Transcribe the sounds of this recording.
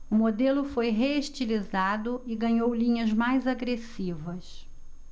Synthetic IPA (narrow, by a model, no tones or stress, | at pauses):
ʊmod̪elʊfojɦeeʃt͡ʃilizad̪ʊɪɡɐ̃ɲowlĩɲɐzmajzaɡɾesivɐs